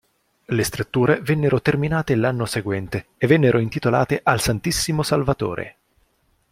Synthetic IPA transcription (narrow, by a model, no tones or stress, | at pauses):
lest̪ɾut̪ːuːɾevɛnːeɾot̪erminaːt̪elanːoseɡwɛnt̪eːvːɛnːeɾʔoint̪it̪ola̰ːt̪eʔalsant̪isːimosalvat̪o̰ːɾʔḛ